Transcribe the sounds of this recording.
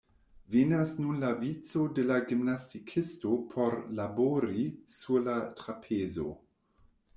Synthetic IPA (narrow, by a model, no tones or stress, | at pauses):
venasnunlavit͡sodelaɡimnastikʰistopʰoɾlaboɾisulatɾapʰezo̰